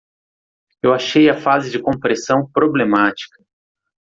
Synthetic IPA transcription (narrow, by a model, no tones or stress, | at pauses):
ewaʃejɐfazɪd͡ʒɪkõpɾesɐ̃w̃pɾoblemat͡ʃi̥kɐ